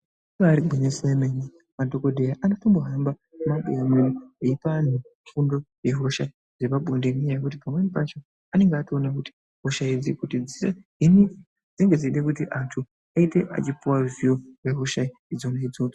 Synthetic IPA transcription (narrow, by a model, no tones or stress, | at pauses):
ʋaːɾiɡʱweɲeseemeni | madʱo̞kodʱejaʔanotomboɦamba | maɓejamenieipan̤ufundo̞je̞ɦo̞ʃai | d͡zepaɓondemiɲajekut̬ipamwenipat͡ʃo̞ | ane̞ŋɡeationakuti̥ | ɦoʃaid͡zikutid͡zise | ini | d͡ziŋɡe̞d͡ziiɗekutiʔatʰu | aite̞ʔa̰t͡ʃipuwazioreɦoʃaiid͡zoneid͡zoo